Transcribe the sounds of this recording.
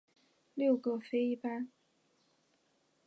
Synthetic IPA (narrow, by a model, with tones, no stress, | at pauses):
ljo˥˩ʊɡɤ˥˩fe˥ɪi˥pa˥